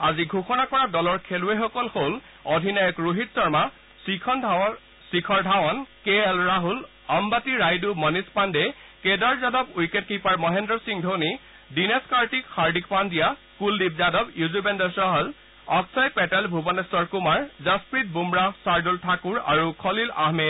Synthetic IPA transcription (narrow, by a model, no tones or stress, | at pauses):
aziɡʱuxɔnakɔɹadɔlɔɹkʰeluexɔkɔlhol | ɔdʱinajɔkɹuɦitsɔɹma | sikʰɔndʱa | sikʰɔɹdʱawɔnkeɛlɹaɦul | ɔmbatiɹajdumɔnispandɛkedaɹzadɔbujket̚kipaɹmɔɦɛndɹɔsiŋdʱoni | dineskaɹtikxaɹdikpandija | kuldib̚zadɔbjuzubɛndɔsɔɦɔl | ɔksajpɛtɛlbʱubɔnɛsɔɹkumaɹzaspɹit̚bumɹasaɹdultʰakuɹa̰ɹukʰɔlila̰ɦmɛd